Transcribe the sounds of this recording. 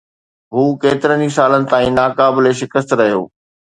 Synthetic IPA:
ɦuːkeːt̪ɪɾənisaːlənɪ̆t̪ãːĩːnaːkaːbɪleʃɪkəst̪ɾɐɦijo̰ː

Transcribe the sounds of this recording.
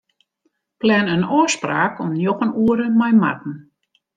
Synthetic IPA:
plɛnənoːspraːkʰɔmnjoxənuəɾəmajma̰tn̩

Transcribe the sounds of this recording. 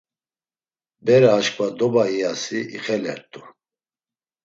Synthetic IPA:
bɛɾaːʃkʼvad̪ɔbaiasiiχɛlɛ̰ɾt̪ʼu

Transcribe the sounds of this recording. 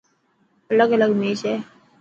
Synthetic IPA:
ɐləɡələɡmeːt͡ʃɛː

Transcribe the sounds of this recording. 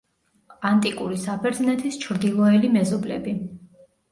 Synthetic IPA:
ant̪ʼikʼuɾisapʰɛɾd̪znɛt̪ʰist͡ʃʰɾd̪ilˠɔɛlimɛzɔblɛ̰bi

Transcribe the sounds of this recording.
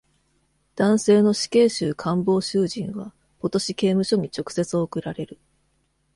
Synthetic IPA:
d̪̥ãɰ̃se̞ːno̞ɕi̥ke̞ːɕɨːkʰãmbo̞ːɕɨːʑĩɰ̃βa | ko̞t̪o̞ɕike̞ːmɯ̟ɕo̞ɲ̟it͡ɕo̞kɯ̟̥se̞t͡sɨo̞ːkɯ̟ɾaɾe̞ɾɯ̟

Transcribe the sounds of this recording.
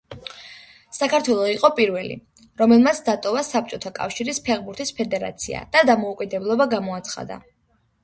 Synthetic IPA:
sakʰaɾt̪ʰwɛlˠɔiqʼɔpʼiɾvɛlḭ | ɾɔmɛlˠmat̪sʰd̪at̪ʼɔvasap̚t͡ʃʼɔt̪ʰakʼa̰fʃiɾispʰɛʁbuɾt̪ʰispʰɛd̪ɛɾa̰t̪sʰḭa̰d̪̥ad̪amɔukʼid̪ɛblˠɔbaɡamɔat̪sʰχa̰d̪a̰

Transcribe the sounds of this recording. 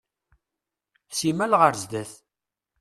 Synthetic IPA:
simælʁəɾzd̪æθ

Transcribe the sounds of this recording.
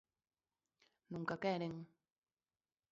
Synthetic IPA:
nuŋkakɛɾeŋ

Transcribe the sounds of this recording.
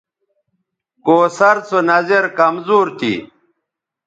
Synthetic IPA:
koːsɐɾt͡sʰonɐzeɾkɐmzuːɾt̪ḭ

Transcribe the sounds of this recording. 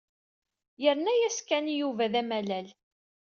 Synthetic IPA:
jəɾnæjæskænijuvæðæmælæl

